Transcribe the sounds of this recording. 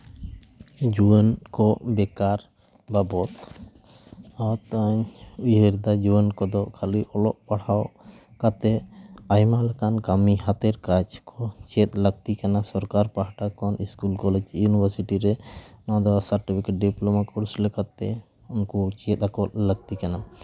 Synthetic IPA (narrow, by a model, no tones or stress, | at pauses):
d͡ʒuənkɔʔbɛkaɾ | babɔt̪ | awt̪aɲujɦəɾd̪ad͡ʒuənkɔd̪ɔʔkʰaliʔɔlɔʔpaɽ̤aw | kat̪ɛajmalɛkankamiɦat̪ɛɾkat͡ʃkɔt͡ʃɛt̪̚ləɡ̚t̪ikanasɔɾkaɾpaɦaʈakɔniskulkɔlɛd͡ʒjunibʱəɾsiʈiɾɛnaad̪awasaɾʈipʰikeʈ̚ɖiplɔmakɔɾslɛkat̪ːɛ | unkut͡ʃɛt̪̚akɔt̪̚ləɡt̪ikana